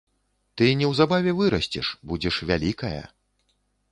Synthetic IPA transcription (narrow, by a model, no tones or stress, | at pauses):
t̪ɨnʲɛwzabavʲɛvɨɾɐsʲt͡sʲɛʂbud͡zʲɛʂvʲalʲikɐjɐ̰